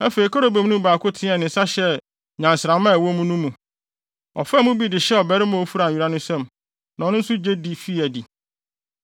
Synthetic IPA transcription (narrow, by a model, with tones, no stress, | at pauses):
æ˦fe˨ɾi˨kʰɔ˦ɾo˨be˨m˦nũ˦baː˨kʰʊ˦tʰɪ̃˦ɛ˨nɪ̃˨˦sa˦ɕɛ˦ | ɲã˨nsɾã˨mã˦˨wɔ˦mũ˦nũ˦mũ˨ | ɔ̰˨fɛ˦mũ˦bi˦dɪ˨ɕɛ˦ɔ˨bɛ˦ɾɪ˦mã˦o˦fu˦ɾa˨ɥi˨ɾa˦nʊ̃˦sɛ̃˦m | nã˨ɔ̃˨nʊ̃˦n̩˦sʊ˦d͡ʑe˦di˨fi˦˨æ˨di˨